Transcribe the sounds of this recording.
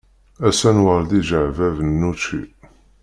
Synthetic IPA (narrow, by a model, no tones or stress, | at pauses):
æsænwəɾˤd̪iʒəʕvævənːut͡ʃːḭ